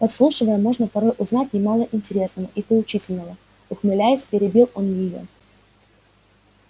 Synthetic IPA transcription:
pɐt̪slˠuʂɨvəjəmo̞ʐnəpɐɾo̞jʔʊznatʲnʲɪmɑlˠəʔɪnʲtʲɪɾʲe̞snəvə̰ʔipəlˠʊt͡ɕitʲɪlʲnəvə | ʊxmɨlʲæjɪsʲpʲɪɾʲɪbʲilˠo̞njɪjo̞̰

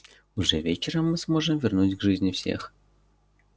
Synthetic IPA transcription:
ʊʐɛvʲet͡ɕɪɾəmːɨsmo̞ʐɨmvʲɪrnutʲɡʐɨzʲnʲɪfsʲḛx

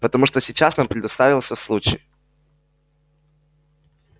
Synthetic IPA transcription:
pət̪ɐmuʂt̪osʲɪt͡ɕasompɾʲɪd̪ɐst̪avʲɪlˠsʲəslˠut͡ɕɪ̰j

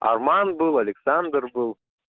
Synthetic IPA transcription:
a̰rmanbɯlˠalʲɪksand̪rbɨlˠ

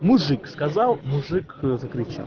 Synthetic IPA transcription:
mʊʐɨkskɐzalˠmʊʐɨkzəkɾʲɪt͡ɕa̰lˠ

